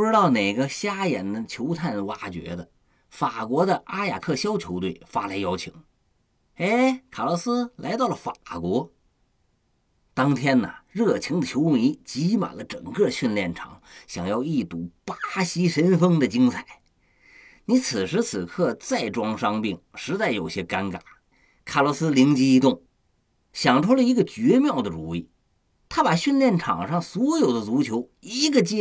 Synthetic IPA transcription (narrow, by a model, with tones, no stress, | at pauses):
ʈ͡ʂɻ̩˥t̪ɑ˥˩ʊne˨˩ɪɡə˧ɕja˥jɛ̰˨˩nd̪ə˧t͡ɕʰjo˧˥ʊt̪ʰa˥˩nwa˧˥t͡ɕɥɛ̰˧˥d̪ə˧ | fa˨˩kwɔ˧˥d̪ə˧ʔa˥ja̰˨˩kʰɤ˥˩ɕjɑ˥ʊt͡ɕʰjo˧˥ʊt̪we˥˩ɪfa˥lʰa˧˥ɪjɑ˥ʊt͡ɕʰi˧˩˥ŋ | e˥ɪkʰa˨˩lə˧˥sɹ̩˥la˧˥ɪt̪ɑ˥˩ʊlə˨˩fa˨˩kwɔ˧˥ | t̪ɑ˥ŋt̪ʰjɛ˥nə̰˨ɻɤ˥˩t͡ɕʰi˧˥ŋd̪ə˨t͡ɕʰo˧˥ʊʊ˥˩ŋi˧˥t͡ɕi˧˥ma̰˨˩lə˦ʈ͡ʂɤ˨˩ŋkɤ˥˧ɕɥi˥˧nljɛ˥˩nʈ͡ʂʰɑ̰˨˩˥ŋɕjɑ̰˨˩ŋjɑ˥˧ʊi˥˩t̪u˧˥pa˥ɕi˥ʂə˧˥nfɤ˥ŋd̪ə˨t͡ɕi˥ŋt͡sʰa˨˩˦ɪ | ni˧˥t͡sʰɹ̩˨˩ʂɻ̩˧˥t͡sʰɹ̩˨˩kʰɤ˥˧t͡sa˥˩ɪʈ͡ʂwɑ˥ŋʂɑ˥ŋpi˥˩ŋʂɻ̩˧˥t͡sa˥˩ɪjo˨˩ʊɕjɛ˥ka˥nka̰˨˩˦ | kʰa˨˩lwɔ˧˥sɹ̩˥li˧˥ŋt͡ɕi˧˥i˧˥t̪ʊ˥˩ŋ | ɕjɑ˨˩ŋʈ͡ʂʰu˥lə˨˧i˧˥ɡə˧t͡ɕɥɛ˧˥mjɑ˥˩ʊd̪ə˩ʈ͡ʂṵ˨˩i˥˩ | t̪ʰa˥pa˨˩ɕɥi˥˧nljɛ˥˩nʈ͡ʂʰɑ̰˨˩ŋʂɑ˥˩ŋswɔ˧˥jo˨˩ʊd̪ə˦t͡su˧˥t͡ɕʰjo˧˥ʊi˧˥ɡə˧t͡ɕɛ˥